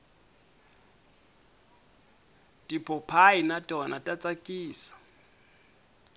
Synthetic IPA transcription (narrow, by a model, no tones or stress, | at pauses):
dipʰɔpʰainatʼɔnatʼat͡sʼakʼiːsḁ